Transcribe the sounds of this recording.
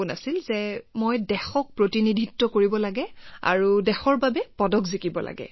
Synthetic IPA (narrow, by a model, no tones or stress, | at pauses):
una̰silzɛmojdɛxɔk̚pɹotinidʱitːɔkoɹibɔlaɡɛa̰ɹudɛxɔɹbabɛpɔdɔkzikibɔla̰ɡɛ̰